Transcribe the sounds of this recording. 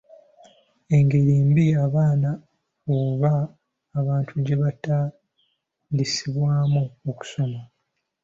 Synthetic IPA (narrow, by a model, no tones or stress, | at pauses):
e̞ŋɡe̞ɾiːmbiaβaːna | oβaː | βaːntʰuɟe̞βataː | ndisiβwaːmuoku̥so̞ma